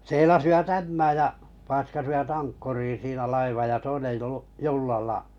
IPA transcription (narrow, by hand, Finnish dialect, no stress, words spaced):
seilɑsiʋɑt æmːæːj jɑ pɑiskɑsiʋɑt ɑŋkːuriː siːnæ lɑiʋɑj jɑ toinej juː julːɑlːɑ